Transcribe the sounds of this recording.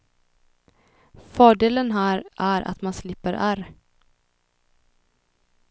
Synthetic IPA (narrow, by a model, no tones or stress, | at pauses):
fœːɖeːlənɦæːɾʔæɾʔa̰t̪manslɪpːəɾʔæɾ